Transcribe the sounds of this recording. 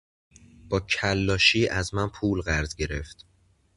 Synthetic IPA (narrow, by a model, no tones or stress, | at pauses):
b̥ɒːcʰælːɒːʃiːʔæzmænpʰuːlɣæɾz̥ɟe̞ɾe̞ft̪